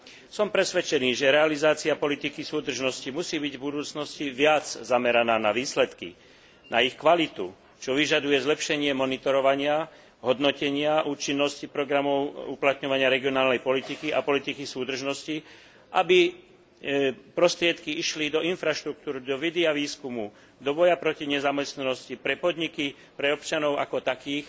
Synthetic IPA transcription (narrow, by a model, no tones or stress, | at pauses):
sɔmpɾɛsʋɛt͡ʃɛniːʒɛɾɛalizaːt͡siapɔlit̪ikisuːd̪r̩ʒnɔscimusiːbiɟvbud̪uːt͡snɔsciʋɪad͡zzamɛɾanaːnaʋiːslɛt̪kḭ | nʔaixkʋalit̪ṵ | t͡ʃɔʋiʒad̪ujɛzlɛpʃɛɲɪɛmɔnit̪ɔɾɔʋaɲɪa | ɦɔd̪nɔcɛɲɪaʔuːt͡ʃinːɔscipɾɔɡɾamɔʊuplat̪ɲɔʋaɲɪaɾɛɡiɔnaːlnɛjpɔlit̪ikiʔa̰pɔlit̪ikisuːd̪r̩ʒnɔsci | ʔabi | pɾɔst̪ɾɪɛt̪kiiʃlid̪ɔinfɾaʃt̪ɾuk̚t̪uːɾd̪ɔʋid̪iaʋiːskumu | d̪ɔbɔjapɾɔciɲɛzamɛst̪nanɔscipɾɛpɔd̪ɲiki | pɾɛɔpt͡ʃanɔʊʔakɔt̪akiːx